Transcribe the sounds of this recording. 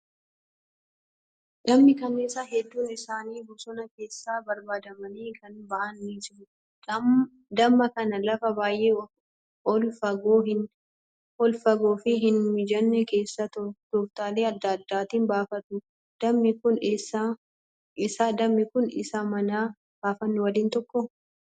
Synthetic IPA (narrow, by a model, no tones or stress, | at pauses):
dɐmːɪkɐneːsːɐɦɛd̪ːuːnɪsaːniːbʊsɔnɐke̞ːsːaːbɐɾbaːd̪ɐmɐniːkʰɐnbɐʔɐnːid͡ʒɪɾʊ | d̪ɐmːɐkɐnɐlɐfɐbaːjʔeː | ɔlfɐɡoːɦɪ | ɔlfɐɡoːfɪɦɪnmɪd͡ʒɐnːɛke̞ːsːɐt̪t̪oːft̪aːleːɐd̪ːɐd̪ːaːt̪iːnbaːfɐt̪ʊ | d̪̥ɐmːɪkʊnesa | ɪsaːd̪ɐmːɪkʊnɪ̰samɐnaː | b̥aːfɐnːɛwɐliːnt̪ɔkːɔ